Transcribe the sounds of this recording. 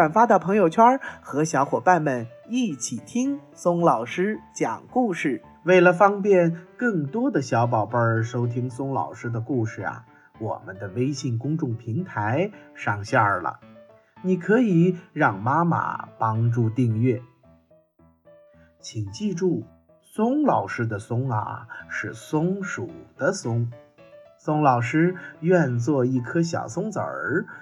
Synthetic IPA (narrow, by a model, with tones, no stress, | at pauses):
wa˨˩nfa˥d̪ə˨˧pʰɤ˧˥ŋjo˨˩ʊt͡ɕʰwa˥xɤ˧˥ɕjɑ˧˥ʊxwɔ˨˩pa˥˩nmə˨˩ni˥˩t͡ɕʰi˨˩t̪ʰi˥ŋ | sʊ˥ŋlɑ˨˩ʊʂɻ̩˥t͡ɕjɑ̰˨˩ŋku˥˧ʂɻ̩˥˩ | we˥˩ɪlə˩fɑ˥ŋpjɛ˥˧nkɤ˥˩ŋt̪wɔ˥d̪ə˨ɕjɑ˧˥ʊp̬ɑ˨˩ʊpə˞˥˧ʂo˥ʊt̪ʰi˥ŋsʊ˥ŋlɑ̰˨˩ʊʂɻ̩˥d̪ə˨ku˥˧ʂɻ̩˥˩a̰˨˩ | wɔ̰˨˩mə˦nd̪ə˨we˥ɪɕi˥˩ŋkʊ˥ŋʈ͡ʂʊ˥˩ŋpʰi˧˥ŋt̪ʰa˧˥ɪʂɑ˥˩ŋɕja˞˥˩lə̰˩ | ni˨˩kʰɤ˧˥i˨˩ɻɑ˥˩ŋma˥ma̰˨˩pɑ˥ŋʈ͡ʂu˥˧t̪i˥˧ŋɥɛ˥˩ | t͡ɕʰi˨˩ŋt͡ɕi˥˧ʈ͡ʂu˥˩ | sʊ˥ŋlɑ˨˩ʊʂɻ̩˥d̪ə˨sʊ˥ŋa̰˨˩ʂɻ̩˥˩sʊ˥ŋʂu˨˩d̪̥ə˦sʊ˥ŋ | sʊ˥ŋlɑ˨˩ʊʂɻ̩˥ɥɛ˥˧nt͡swɔ˥˧i˥˩kʰɤ˥ɕjɑ̰˨˩ʊsʊ˥ŋt͡sə̰˨˧˩